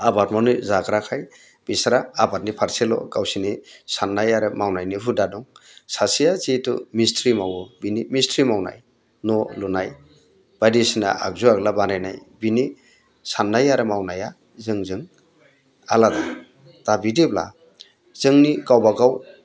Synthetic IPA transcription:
abatmawnizaɡɾakʰaj | b̥isɾaːbat̚nipʰaɾselɔ̰ɡawsinisanːajaɾɯmawnajniɦudadɔŋsasijazitɔ̰mistɾimawɔbinimistɾimawna̰j | nɔlunaj | b̥adisina̰a̰k̚zuaɡlabanajna̰jbini | sanːajaɾɯmawnaja | zɯŋzɯŋ | alada | d̥abidebla̰ | z̥ɯŋniɡawbaɡaw

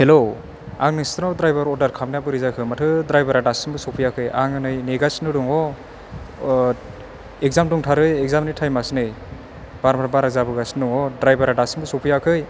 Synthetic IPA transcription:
helo | aŋnɯstnadɾajbaɾɔɾdaɾkʰamnijabɯɾizakʰɯmatʰɯdɾajbaɾadasinbɯsɔpʰɯjakʰɯja̰ŋɯnɯjneɡasnɯduŋɔ | ekzamduŋtʰaɾɯjek̚zamnɯjtʰajmasnɯj | b̥aɾmaɾbaɾazabɯɡasnduŋɔdɾajbaɾadasinbɯsɔpʰɯjakʰɯj

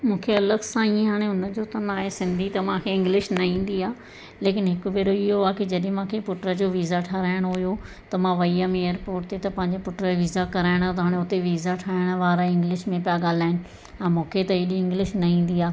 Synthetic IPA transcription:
mũːkʰeɐləɡsãiẽɦaːɽ̃eʊnəd͡ʑoːt̪ɐnaːɦesɪ̃nd̪ʱit̪ɐmãkʰeɪ̃ŋɡlɪʃnɐɦĩːn̆d̪iaː | leːkɪnɦɪkʊʋeːɾoɪɦoaːkɪd͡ʑɐɗ̃mãːkʰepʊʈɾəd͡ʑoːʋiːzaʈʰaːɾaːɪɽ̃ɦʊjo | t̪ɐmãʋɐiamẽeəɾpoːɾʈt̪et̪ɐpɐ̃ɦɪ̃ɲd͡ʑepʊʈɾəʋiːzakɐɾaːɪɽ̃at̪ɐɦaːɽ̃ẽʊt̪eʋiːzaʈʰaːɪɽ̃ʋaːɾaɪ̃ŋɡlɪʃmẽpijaɠaːl̤aːɪnɪ̆ | ɛ̃ːmũːkʰet̪ɐiːɗĩɪ̃ŋɡlɪʃnɐĩːn̆d̪iaː

